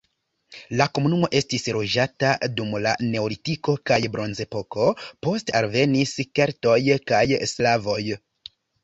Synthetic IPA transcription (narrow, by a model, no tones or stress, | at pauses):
lako̞munumo̞ʔe̞stisɾo̞d͡ʒatadumla̰ne̞olitiko̞kajbɾo̞nze̞po̞ko̞po̞stalve̞niskeɾto̞jkajslavo̞j